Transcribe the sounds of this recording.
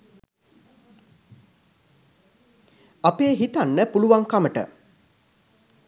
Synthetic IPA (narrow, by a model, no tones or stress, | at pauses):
apeːɦit̪anːəpuluʋaŋkaməʈə̰